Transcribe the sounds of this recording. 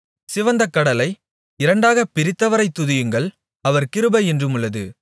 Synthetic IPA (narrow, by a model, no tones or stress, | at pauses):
sɪʋɐnd̪ɐkːɐɽɐlɐɪ | ɪɾɐɳɖaːɣɐpɪɾɪt̪ːɐʋɐɾɐɪt̪ːʊðɪjɯŋɡɐɭ | ɐʋɐɾkɪɾɯbɐɛndrɯmɯɭːɐðɯ̰